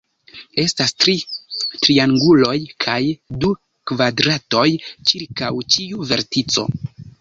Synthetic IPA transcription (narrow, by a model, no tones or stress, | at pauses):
e̞stastɾitɾiaŋɡulo̞jkʰajdu | kvadɾato̞jt͡ʃiɾkawt͡ʃiuve̞̰ɾtit͡so̞̰